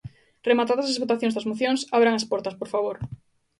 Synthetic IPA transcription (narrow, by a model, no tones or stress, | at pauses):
remat̪aðɐssezβot̪aθjõŋzðɐzmoθjoŋsaβɾaŋɐspɔɾt̪ɐspoɾfaβoɾ